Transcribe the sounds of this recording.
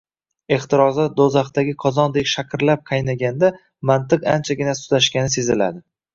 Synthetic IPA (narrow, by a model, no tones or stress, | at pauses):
e̞χt̪ɪɾɒzad̪ozaχt̪aɡʲɪqʰɒzɒnd̪ekʲʃakʲʰɾlap̚qʰɑjnaɡʲand̪a | mant̪ɨqant͡ʃʰaɡʲɪnasʊ̥t̪aʃkʲanɪse̞zɪla̰d̪ɪ